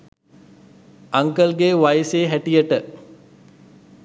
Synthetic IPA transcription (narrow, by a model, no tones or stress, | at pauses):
aŋkəlɡeːʋajseːɦæʈijəʈə